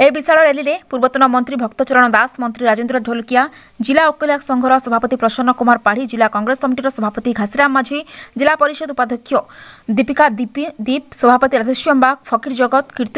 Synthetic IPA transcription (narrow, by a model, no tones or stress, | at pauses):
ebisaɭɔɾeliɾepuɾbɔt̪ɔnɔmɔnt̪ɾibʱɔkt̪ɔt͡ʃɔɾɔɽ̃ɔd̪asmɔnt̪ɾiɾad͡ʒend̪ɾɔɖʱolkija | d͡ʒilaokɔlaksɔŋɡʱɔɾɔsɔbʱapɔt̪ipɾɔʃɔnɔkumaɾpaɽ̤id͡ʒilakɔŋɡɾeskɔmiʈiɾɔsɔbʱapɔt̪iɡʱasiɾamːad͡ʒʱid͡ʒilapɔɾiʃɔd̪upad̪ʱɔkʰjɔd̪ipikad̪d̪ip̚sɔbʱapɔt̪iɾad̪eʃijɔmbakpʰɔkiɾd͡ʒɔɡɔt̪kiɾt̪